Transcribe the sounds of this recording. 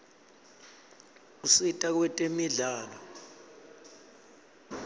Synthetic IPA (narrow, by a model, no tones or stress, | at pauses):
usitʼak̬wɛtʼemiɮaːlɔ